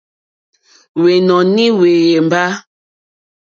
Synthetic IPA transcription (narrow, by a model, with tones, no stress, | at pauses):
we˨nɔ˨ni˦we˨je˨m˨ba˦